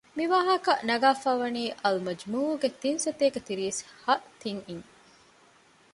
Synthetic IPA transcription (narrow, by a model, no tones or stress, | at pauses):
miʋaːɦɐkɐnɐɡaːfaːʋɐniːʔɐlmɐd͡ʒmuːuɡet̪insɐt̪eːɡet̪iɾishɐʔt̪iŋiŋ